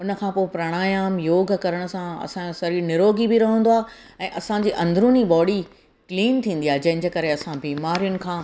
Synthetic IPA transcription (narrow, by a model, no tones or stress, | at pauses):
ʊnə̆kʰãːpoːepɾaɽ̃aːjaːmjoːɡ̆ʱkɐɾəɽ̃ʊ̆sãɐ̰sãd͡ʑosɐɾiːnɪɾoːɡibɪɾɐɦə̃nd̪oaː | ɛ̃ːʔɐsãɲd͡ʑiːʔɐ̃nd̪ʱɾuniɓɔːɽi | kliːnt̪ʰĩːn̆d̪iaːɦed͡ʑɐ̃ɦɪ̃ɲd͡ʑeːkɐɾeɐsãbiːmaːɾijʊnɪ̆kʰãː